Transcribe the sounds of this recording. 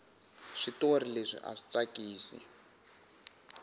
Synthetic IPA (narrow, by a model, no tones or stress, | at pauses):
ʂitorileʂḭʔa̰ʂi̥t͡sakiːsḭ